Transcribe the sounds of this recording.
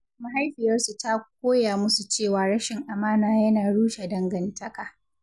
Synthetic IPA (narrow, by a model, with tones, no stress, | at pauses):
ma˨ɦa˦jɸɪ˨jɐ˦rsu˨ta˦k̚ʷoː˦jaː˨mʊ˦su˨t͡ʃeː˦˨waː˨ɽɐ˦ʃɪ˨ŋʔa˨maː˦naː˨jɐ˦naː˨ɽuː˦ʃe˨dɐ˦ŋɡɐ˨ntʰɐ˦ka˨